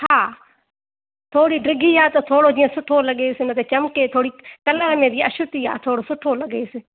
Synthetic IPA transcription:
haː | t̪ʰoːɽiːɖɪɡʱiːaːt̪oːt̪ʰoːɽoːd͡ʒĩːə̃sʊʈʰoːləɠeːsɪnət̪ʰeːt͡ʃəmkeːt̪ʰoːɽiːkələɾmẽːbiəʃʊt̪iːa̰ːt̪ʰoːɽoːsʊʈʰoːləɠeːsɪ

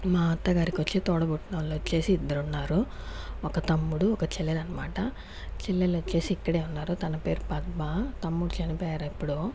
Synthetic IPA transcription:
maːt̪ɐɡaːɾikiʋɐt͡ʃːit̪ɔːɽɐbuʈːnɐːlːot͡ʃːe̞ːsiːd̪ːɐɾunːaːɾu | ɔkɐt̪ɐmːuɽuɔkɐt͡ʃɛlːelɐnːɐmaːʈɐ | t͡ʃɛlːelot͡ʃe̞ːsiːkːɐɽe̞ːunːaːɾut̪ɐnɐpe̞ːɾupɐd̪̚mat̪ɐmːuɽut͡ʃɐnipɔːjaːɾɐipːuɽu

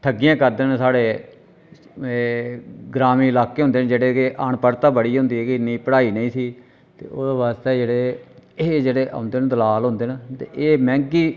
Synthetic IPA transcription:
ʈ̪ʰəɡɪjãːkəɾd̪eːnsaːɽeː | ɡɾaːmĩːɪlaːkeːɦʊ̃nd̪eːnd͡ʒeːɽeːkeʔaɳpəɾt̪ãːbəɽiːɦʊ̃ːnd̪iːɦɛːkɪɪnːiːpəɽaːiːnəĩːsiː | t̪ḛːoːd̪aːβaːst̪eːd͡ʒeːɽeːeːd͡ʒeːɽeːʔã̰ʊnd̪eːnd̪əlaːlɦʊ̃ːnd̪eːnːt̪eːʔeːmɛ̃ːŋkiː

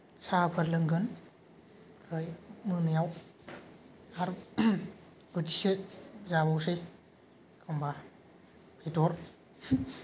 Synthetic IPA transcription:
sapʰəɾlɯŋɡɯn | ɾɯjmɯnɯjaw | aɾ | b̥ɯtisezabawsɯj | kʰɔmba | pʰetɔɾ

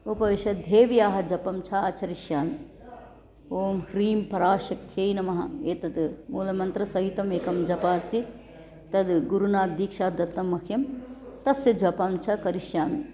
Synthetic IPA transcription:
opɐiʃɐd̪ʱeːʋjaːɦɐ̆d͡ʒɐpɐmt͡ʃʰɐɐt͡ʃʰɐɾiʃjaːmi | oːmhɾiːmpɐɾaːʃɐk̚t̪ʰjeːinɐmɐɦɐ̰eːt̪ɐd̪muːlɐmɐnt̪ɾɐsɐɦit̪ɐmeːkɐmd͡ʒɐpaːst̪ʰi | t̪ɐd̪ɡuɾunaːt̪̚d̪ikʃaːd̪ɐt̪ːɐmːɐkʰjɐmt̪ɐsjɐd͡ʒɐpɐmt͡ʃʰɐkɐɾiʃjaːmi

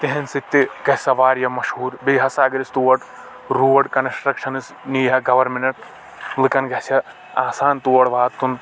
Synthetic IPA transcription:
t̪iɦɐnsit̪ːikɐsɐʋaːɾjɐmɐʃhuːɾbiːɦɐsaːɡɐɾist̪uːɐɽ | ɾuːʋɐʈkɐnsʈɾɐkʃɐnɨs | niːɦɐɡɐʋɐɾmenɐʈ | lɨkɐnɡɐsɐ | aːsaːnt̪uːwɐɽʋaːt̪ːun

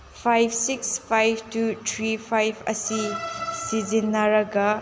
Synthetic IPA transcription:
pʰajpʰsikspʰajb̚ʰʱtutʰɾipʰajbʰɐ̰sisizinːɐɾɐɡɐ

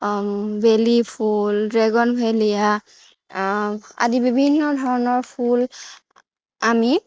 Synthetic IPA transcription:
belipʰuldɹɛɡɔnbʱelija | a̰dibibʱinːɔdʱɔɹɔnɔɹpʰul | ami

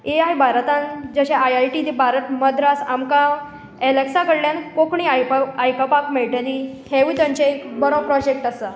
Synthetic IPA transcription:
eajbʱaɾt̪and͡zəɕeajajʈid̪ibʱaɾət̪məd̪ɾasamka | eleksakəɽljankokɳiajajkapakmeɭʈeli | heʋit̪ãɲt͡ɕeekbəɾopɾɔd͡ʑek̚ʈasa

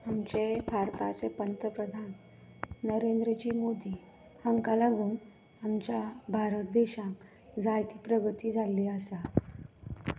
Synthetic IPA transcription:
amt͡ɕepʰaɾp̪a̰t͡sepənt̪əpɾəd̪ʱanː | əɾend̪ɾəd͡ʑiːmod̪iː | həŋkalaɡuːn | amt͡ɕjabʱaɾət̪̚d̪eɕãk | d͡zajt̪iːpɾəɡət̪iːd͡zʱaliːəsa

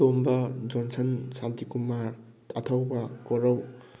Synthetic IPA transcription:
ombɐd͡ʒɔnsɐnsantikumaɾ | tatʰawbɐkoɾaw

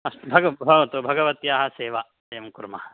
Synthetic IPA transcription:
ɐst̪bʱɐɡɐbʱɐʋɐt̪ubʱɐɡɐʋɐt̪jaːɦɐseːʋa | ɐjɐmkuɾmaɦɐ

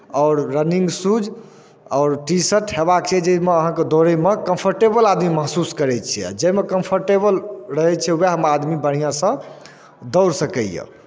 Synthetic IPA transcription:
ɔʊɾːəniŋɡsud͡ʒ | ɔːɾʈisəʈɦebakt͡ʃʰɛd͡ʒemeəɦãked̪oɾemekə̃mpʰəɾʈebəlad̪miməɦsuskəɾɛt͡ʃʰɛɛ̰d͡ʒemekəmpʰəɾʈebəlɾəɦɛt͡ʃʰɛueɦəmad̪mibəɽ̤ijãsə̃ | d̪ɔwɾsəkəjḛ

